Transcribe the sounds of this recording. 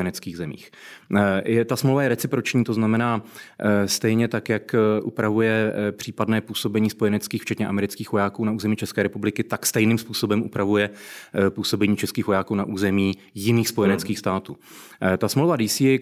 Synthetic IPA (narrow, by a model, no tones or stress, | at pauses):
jɛnɛt͡skiːɣzɛmḭːx | jɛt̪asmlowvajɛɾɛt͡sɪpɾot͡ʃɲiːt̪o̞znamɛnaː | st̪ɛjɲɛt̪akjakʔupɾavujɛpr̝̥iːpadnɛːpuːso̞bɛɲiːspojɛnɛt͡skiːxft͡ʃɛt̪ɲɛʔa̰mɛɾɪt͡skiːxvo̞jaːkuːnaʔuːzɛmiːt͡ʃɛskɛːɾɛpublɪkɪt̪akst̪ɛjnɪmspuːso̞bɛmʔupɾavujɛpuːso̞bɛɲiːt͡ʃɛskiːxvo̞jaːkuːnaʔuːzɛmiː | jɪniːxspo̞jɛnɛt͡skiːxst̪aːt̪uː | t̪asmlowvadiːsi